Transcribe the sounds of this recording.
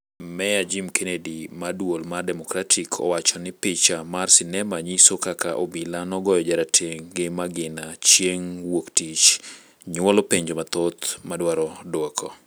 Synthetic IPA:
mɛjad͡ʒimkʰenedimadwolmardɛmɔkɾatʰikʰɔ̰wat͡ʃɔnɪpɪt͡ʃamarsɪnɛmaɲisokakaʔobilanɔɡɔjɔd͡ʒaɾatʰeŋɡɪmaɡɪnat͡ʃjeŋwoktit͡ʃ | ɲwɔlɔpeɲd͡ʒomat̪ot̪madwaɾɔdwɔkʰɔ

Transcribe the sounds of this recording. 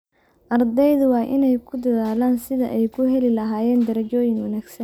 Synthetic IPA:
ʔɐrd̪ɛjðʊwɑːʔɪnɛjkʰʊd̪ɐðaːlaːnsɪðɐʔɛjkʰʊɦɛlɪlɐɦaːjɛːnd̪ɐɾɐt͡ʃɔːjɪŋwɑnaːɡsɐn

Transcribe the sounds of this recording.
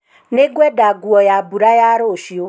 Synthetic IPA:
neɡʷɛdaɡuɔjabuɾajaɾoʃio

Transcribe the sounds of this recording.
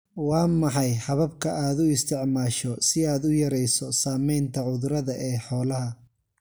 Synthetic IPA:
wɑːmɑħɑjħɑβɐbkʰɐʔaːd̪ʊɪst̪ʰɪʕmaːʃɔsɪaːd̪ʊjɐɾɛjsɔsaːmɛjnt̪ʰɐʕʊðʊɾɐðɐʔɛːħɔːlɐɦɐ

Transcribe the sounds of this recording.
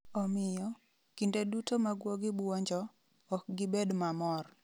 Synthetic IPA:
ɔmɪjɔ | kɪndedutomaɡwoɡɪbuɔɲd͡ʒɔː | k̚ɡɪbedmamɔr

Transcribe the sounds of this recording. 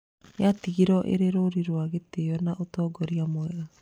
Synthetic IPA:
jatiɣiɾɔʔḛɾeɾoɾiɾwaɣeteɔnaʔotɔːɡɔɾiamoɛa

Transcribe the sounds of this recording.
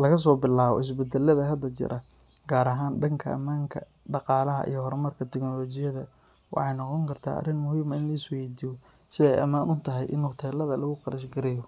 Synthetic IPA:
lɐɣɐs̬ɔːbɪlaːβɔ̰ʔɪs̬bɛd̪ɛlɐðɐɦɐd̪ːɐt͡ʃɪ̰ɾʔɐ | ɡ̥aːɾɐɦaːnɖɐŋkʰɐɐ̰maːŋkʰɐ̰ | ɖɑqɑːlɐɦɐ̰ʔḭjɔhɔɾmɐrkʰɐt̪ʰɪɡnɔlɔːt͡ʃɪjɐðɐ | wɑ̰ħɑjnɔqɔŋkʰɐrt̪ʰa̰ːʔɐ̰rɪnmʊhiːmɐɪnlɐɪswɛjd̪iːjɔ | sɪðɛɛ̰jʔɐ̰maːnʔʊnt̪ʰɐɦɛjʔɪnht̪ʰɛːlɐðɐlɐɣʊqɑɾɐʃɡɐɾɛjɔ

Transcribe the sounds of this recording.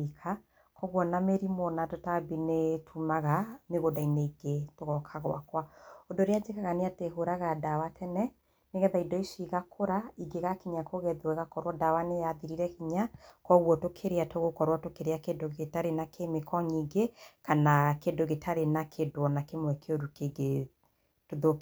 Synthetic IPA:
ikʰa | kʰɔɣwɔnameɾimonatotabinetʰumaɣameɣodaineiɡetoɣɔkʰaɣɔ̰a̰kwaondoɾead͡ʒekaɣaneateɦoɾaɣadawatʰɛnɛ | neɣɛðaidɔisiɣakʰoɾaiɡeɣakiɲakoɣɛðoɛɣakɔɾwɔdawanejaðiɾiɾɛkiɲakɔɣwɔtokʰeɾeatoɣokɔɾwatokeɾeakedoɣetaɾenakʰemekɔɲiɡekanakedoɣetʰaɾenakʰedoɔnakemwɛkʰeoɾukeɡe | toðo

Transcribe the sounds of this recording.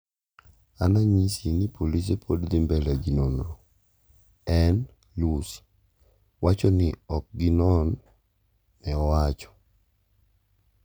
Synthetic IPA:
anaɲisinipʰolis̬epʰodd̪ɪmbɛlaɡinonɾo | ɛn | lus | wat͡ʃɔnɪɔk̚ɡinɔnː | ɛɔwat͡ʃɔ̥

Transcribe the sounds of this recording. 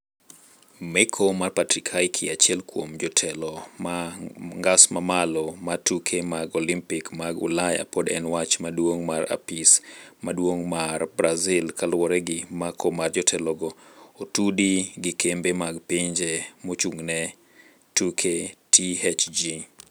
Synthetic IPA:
mɛkʰomarpatɾikʰajkʰɪat͡ʃiɛlkwomd͡ʒɔtʰɛlɔmaŋɡasmamalɔmatukʰemaɡɔlimpɪkmaɡʊ̰laja̰podɛ̰nwat͡ʃmadwoŋmaɾa̰pismadwoŋmarbɾazɪlkalwɔɾɛɡɪmakʰɔmard͡ʒɔtʰɛlɔɡɔotudiɡɪkembemaɡpiɲd͡ʒemot͡ʃuŋnɛ | tukʰetʰihɛt͡ʃd͡ʒi

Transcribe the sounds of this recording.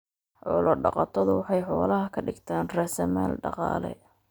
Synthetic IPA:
ħɔlɔɖɑqɑt̪ʰɔðʊwɑħɑjħɔːlɐɦɐkʰɐɖɪɡt̪ʰaːnrɛsɛmɛ̰ːlɖɑqɑ̰ːlɛ̰

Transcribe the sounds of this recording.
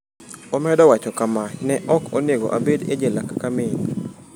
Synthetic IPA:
omɛdɔwat͡ʃɔkamanɛʔɔkonjeɡɔ̰ʔabedḛd͡ʒelakakamɪ

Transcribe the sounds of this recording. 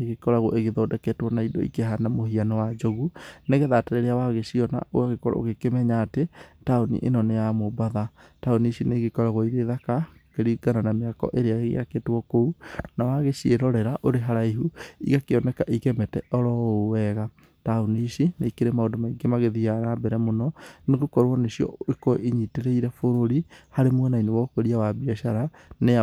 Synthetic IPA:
eɣekɔɾaɣwɔ̰ʔeɣeðɔːdɛkɛtwɔnaidɔ̰ḭkeɦanamohianɛwad͡ʒoɣuneɣeðatɛɾɛɾeawaɣeɕiɔna̰ʔoɣaɣekɔɾa̰o̰ɣekemɛɲaːtetaonḭʔḛnɔnejamobaðataoniʃineɣekɔɾaɣwɔiɾeðakakeɾiɡananameakɔ̰ʔeɾeaɣeɣḛaketwɔkounawaɣeʃieɾɔɾɛɾaʔoɾeɦaɾaiɦuḭɣakeɔnɛkaʔiɣɛmɛtɛʔɔɾɔowɛɣa | taoniʃineikeɾemaodomaiɡemaɣeðiaɾabɛɾɛmonɔneɣokɔɾwɔneɕiɔ̰ekoʔeɲiteɾɛiɾɛfoɾoɾihaɾemwɛnainewɔkoɾiawabiaʃaɾa | ne

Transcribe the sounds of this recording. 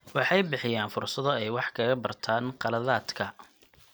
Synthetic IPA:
wɑħɑjbɪħɪjaːnfʊrsɐðɔɛjwɑħkʰɐːɣɐbɐrt̪ʰaːnqɑlɐðaːd̪kʰɐ

